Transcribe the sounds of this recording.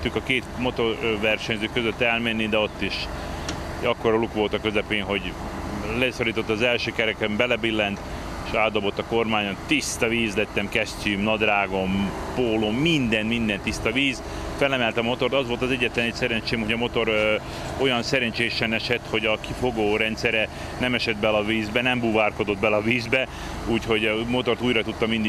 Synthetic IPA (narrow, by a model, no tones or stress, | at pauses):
ykɒkeːt̪mo̞t̪o̞rʋɛrʃɛɲzøːkøzøt̪ːɛlmɛnːid̪ɛo̞t̪ːiʃ | ɒkːoɾɒlukʋo̞lt̪ɒkø̞zɛpeːnɦo̞ɟlɛsoɾiːt̪o̞t̪ːɒzɛlʃøːkɛɾɛkɛmbɛlɛbilːɛnt̪ | eʃaːd̪d̪obo̞t̪ːɒko̞rmaːɲont̪ist̪ɒviːzlɛt̪ːɛmkɛstʲymnɒd̪raːɡo̞mpoːlomːind̪ɛnt̪mind̪ɛnt̪ːist̪ɒviːz | fɛlɛmɛlt̪ɒmo̞t̪o̞rt̪ɒzvʋo̞lt̪ɒzɛɟːɛt̪lɛnet̪sɛɾɛɲt͡ʃeːmhoɟɒmo̞t̪o̞ɾ | o̞jɒnsɛɾɛnt͡ʃeːʃɛnɛʃɛt̪ho̞ɟɒkifo̞ɡoːɾɛnt̪sɛɾɛ | nɛmɛʃɛd̪̚bɛlɒviːzbɛnɛmbuvaːrkod̪o̞d̪̚bɛlɒviːzbɛ | uːcho̞ɟmo̞t̪o̞rt̪uːjɾɒt̪ut̪ːɒmind̪i